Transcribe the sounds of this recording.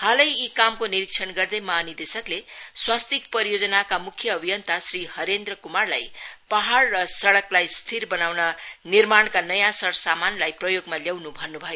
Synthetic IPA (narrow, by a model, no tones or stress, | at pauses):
halʌjikamkoniɾik̚t͡sʰʌnɡʌrd̪ʌjmanid̪esʌkleswast̪ik̚pʌɾijod͡zʌnakamukʰjʌːbʱijʌnt̪asrihʌɾend̪rʌkumarlajpaɦaɽrʌsʌɽʌklajst̪ʰirbʌnawnʌnirmaɳkanʌjãsʌɾsamanlajprʌjoɡmaljawnubʱʌnːubʱʌjo